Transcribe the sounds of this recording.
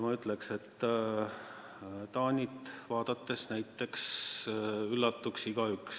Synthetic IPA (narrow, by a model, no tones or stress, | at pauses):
mɑyt̪ˑlekse̞t̪ː | t̪ɑːnʲit̪vɑːd̪̥ɑt̪ːe̞snæjt̪ːe̞ks | ylːɑt̪ːuksiɡ̥ɑyks